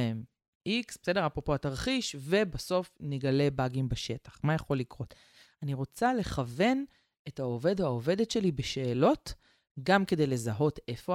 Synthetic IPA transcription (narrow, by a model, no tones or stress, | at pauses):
em | ʔiksbesede̞ʁapʁo̞po̞ataʁχiʃve̞baso̞fneɡale̞baɡimbaʃe̞tḁχmajaχo̞lːikʁo̞t | aniʁo̞t͡sale̞χave̞n | ethaove̞deaove̞detʃe̞libeʃe̞ːlo̞t | ɡamke̞de̞jle̞zaɦo̞te̞fo